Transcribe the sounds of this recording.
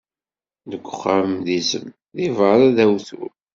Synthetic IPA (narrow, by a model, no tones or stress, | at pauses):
ðəɡʷːəχːavəmðizə̰m | ðivəɾˤæðæwθṵɾ